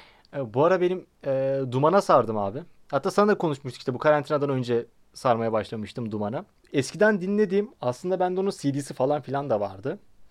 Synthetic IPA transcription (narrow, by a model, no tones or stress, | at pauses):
ɛːbuaɾabe̞nim | ɛːd̪umanasaɾd̪ɯmaːbɪ | hat̪ːaːsanad̪akʰo̞nuʃmuʃt̪u̥kiʃt̪ɛbukʰaɾant̪ʰinad̪anø̞nd͡ʒɛ | saɾmajabaʃlˠamɯʃt̪ɯmd̪umana | ɛscʰid̪ænd̪inlʲe̞d̪iːmaslˠɯnd̪abænd̪ɛonunsid̪iːsifalˠanfilʲand̪ava̰ɾd̪ɯ